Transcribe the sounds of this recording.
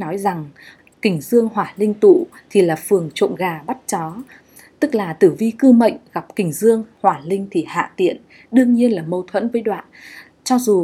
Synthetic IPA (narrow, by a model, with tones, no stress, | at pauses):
nɔ˨˦jza˨˩ŋ | kï˧˩ŋ̟zɨ˧əŋɦwaː˧˨˩lï˧ŋ̟t̪ṵ˧˨ | t̪ʰi˨˩laː˨˩fɨ˨˩əŋt͡ɕo̰˧˨nɣaː˨˩ɓa˦˥t̚t͡ɕɔ˨˦ | t̪ɨ˦˥k̚laː˨˩t̪ɨ˧˩vi˧kɨ˧mə̰˧˨jŋ̟ɣa˨˩p̚kï˨˧˩ŋ̟zɨ˧əŋhwaː˨˩lï˧ŋ̟t̪ʰi˨˩ha̰ː˧˨t̪ḭ˧˨ən | ɗɨ˧əŋɲi˧ənlaː˨˩mə˧wt̪ʰwə̰˧˥nvəː˨˦jɗwa̰ː˧˨n | t͡ɕɔ˧zu˨˩